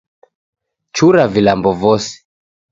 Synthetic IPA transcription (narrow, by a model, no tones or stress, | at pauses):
t͡ʃuɾavilambɔvɔsi̥